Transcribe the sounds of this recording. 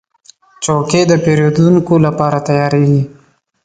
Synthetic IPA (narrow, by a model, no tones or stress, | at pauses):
t͡ʃoked̪əpeɾod̪unkolapɑɾat̪ajɑɾeɡi